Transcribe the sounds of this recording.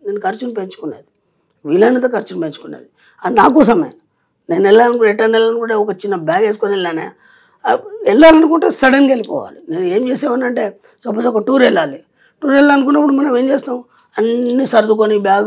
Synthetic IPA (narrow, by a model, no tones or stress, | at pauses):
neːnːukɐɾt͡ʃunpeɲt͡ʃu̥kunːeːd̪i̥ | ʋiːlɐnːit̪̬oːkɐɾt͡ʃunpeɲt͡ʃu̥kunːḛːd̪i | ɐnaːk̬ɔːs̬ɐmɐ̰nɐ | neːnɛlːankɛʈːɐnɛlːɐnukuɳʈeɔkɐt͡ʃinːɐbjaːɡeːskonilːaːnḛ | ɛlːaːlɐnukuɳʈeːsɐɽɐnkelipɔ̰ːʋa̰ːline̞ːnue̞ːmt͡ʃeːsɛːʋɐnːɐɳʈe̞ː | sɐpːɐsɔkɐʈuːɾɛɭːaːli | ʈuːɾɛlːaɐnuk̬unːɐp̬ːuɽumɐnːɐmeːmt͡ʃeːst̪aːm | ɐnːisɐɾd̪uk̬oːnibjaːɡ